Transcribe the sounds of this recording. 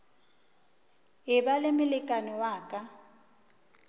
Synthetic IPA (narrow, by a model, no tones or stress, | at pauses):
ɦɪbalɪmɪlɪkʼanɔwaːkʼa